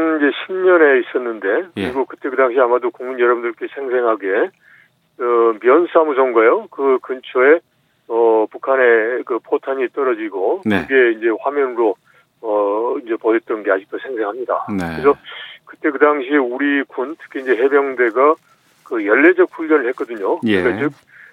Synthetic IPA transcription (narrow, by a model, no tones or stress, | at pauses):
nind͡ʑe̞ɕʰimɲʌne̞is͈ʌnːɯnde̞kɯɾiɡokɯt͈e̞kɯdaŋɕ̬ʰiamadokuŋmunjʌɾʌbundɯɭk͈e̞sʰe̞ŋs̬ʰe̞ŋɦaɡe | ʌmjʌnsʰamusʰʌŋɡajokɯkɯnt͡ɕʰoe̞ | ʌpukʰane̞kɯpʰotʰaɲit͈ʌɾʌd͡ʑiɡonɯɡe̞ind͡ʑe̞ɸwamjʌnɯɾo | ʌind͡ʑe̞poɦet̚t͈ʌnɡe̞aɕʰik̚t͈osʰe̞ŋsʰe̞ŋɦamɲida̰nɯɾes̬ʰʌkɯt͈e̞kɯdaŋɕʰieuɾikuntʰɯ̥kʰeind͡ʑe̞ɦe̞bjʌŋde̞ɡa | kɯjʌɭːe̞d͡ʑʌk̚ɸuʎːʌnɯɭhet̚k͈ʌdɯɲokɯɾik͈at͡ɕɯk̚